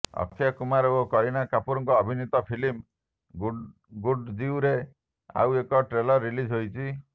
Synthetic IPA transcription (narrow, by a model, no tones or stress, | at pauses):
ɔ̰kʰːjakumaɾɔokɔɾinakapuɾɔŋkɔːbʱinit̪ɔpʰilim | ɡuɖd͡ʒiuɾe | a̰wekɔʈɾelɔɾːilid͡ʒʱɦojt͡ʃʰi